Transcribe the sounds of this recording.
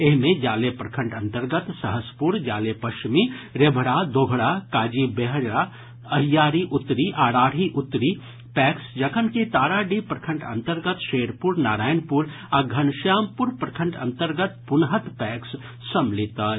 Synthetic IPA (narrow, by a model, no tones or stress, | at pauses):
eɦmẽd͡ʒaːlepɾɐkʰə̃ɳʈɐ̃nt̪əɾɡət̪sɐɦəspuɾd͡ʒaːlepɐʃt͡ʃmiɾebʱɽaːd̪oːɡʱɽaːkaːd͡ʒibeɦɾa | ɐɦijaːɾiʔʊt̪ɾiʔaːɽaːɽ̤iʔʊt̪ːɾi | pɛːksd͡ʒɐkʰənkit̪aːɾaːɖipɾɐkʰə̃ɳʈʰɐ̰̃nt̪əɾɡət̪ʃeːɾpuɾnaːɾaːjnpuɾ | aɡʱɐnʃjaːmpuɾpɾɐkʰəɳʈʰɐ̰̃nt̪əɾɡət̪̚pʊnɦət̪pɛːksː | ɐmlɪt̪a